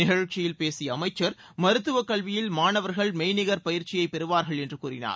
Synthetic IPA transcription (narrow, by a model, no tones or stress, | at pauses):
ɪɣɐɻt͡ʃːɪjɪlpeːsɪjɐːmɐɪt͡ʃːɐɾ | mɐɾɯt̪ːɯʋɐkːɐɭʋɪjɪlmaːnɐʋɐɾɣɐɭmɛɪnɪɣɐɾpɐjɪɾt͡ʃɪjɐɪpːɛɾɯʋaːɾɣɐɭɛndrɯkuːɾɪ̰na̰ːɾ